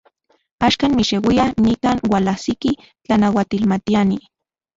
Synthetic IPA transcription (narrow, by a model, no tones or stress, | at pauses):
aːʃkaːnmiʃewianikaːnwalahsiki | t͡ɬanawat̪ilmat̪iani